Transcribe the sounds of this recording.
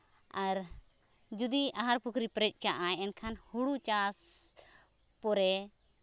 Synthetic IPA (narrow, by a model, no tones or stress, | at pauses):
aɾ | d͡ʒud̪iaɦaɾpukʰɾipɾɛc̚ˀkaʔajɛnkʰanhuɽut͡ʃas | pɔɾɛ